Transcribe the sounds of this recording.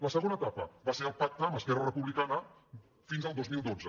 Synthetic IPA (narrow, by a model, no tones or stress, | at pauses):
ləsəɣonət̪apə̰βaseɾəlˠpak̚t̪əːməskɛrərəpuβlikanə | finzəlˠd̪ozmilˠd̪od͡zə